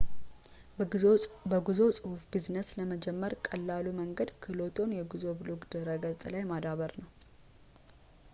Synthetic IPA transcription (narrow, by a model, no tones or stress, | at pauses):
bəɡuzo̞sʼɨhufbiznəsləməd͡ʒɛmːəɾkʼəlːaluməŋɡəd̪kʰɨlo̞t̪ʰo̞njɛɡuzo̞bloɡd̪̥əɾəɡəlt̪ʼlajmad̪aβəɾnəw